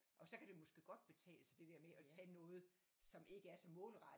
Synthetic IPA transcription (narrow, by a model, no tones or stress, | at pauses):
ʔɒ̽sɒ̽kʰæd̥e̝mɒ̽sɡ̥e̝̰ːɡ̥ɒ̽d̥̚b̥e̝t͡sʰɛ̰ːlsæd̥e̝d̥eɐ̰meʔɒ̽t͡sʰɛ̰ːnɔ̽ːð̞̩ˠ | sɒ̽mʔe̝ɡ̥əæɐsɒ̽mɔ̰̽ːlʁɑ̥